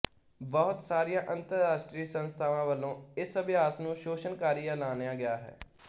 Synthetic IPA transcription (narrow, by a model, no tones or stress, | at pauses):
bɔɦʊt̪saːɾijãːʔə̃nt̪əɾːaːʃʈɾiːsənst̪ʰaːʋãːʋəlõːɪsəbɪjaːsnũːʃoːʃənkaːɾiːjãːnaːnjãːɡɪjaːɦɛ̰ː